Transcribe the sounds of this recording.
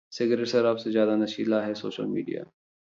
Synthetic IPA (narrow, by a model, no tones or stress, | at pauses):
sɪɡɾeʈsɐɾaːpsezjaːd̪anɐʃiːlaɦɛso̰ːʃə̰lmḭːɖija̰ː